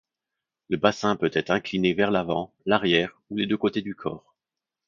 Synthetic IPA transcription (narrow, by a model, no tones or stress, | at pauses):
ləbasɛ̃pøt̪ɛt̪χɛ̃klinevɛʁlavɑ̃ | laʁjɛʁ | uled̪økot̪ed̪ykʰɔ̰ːʁ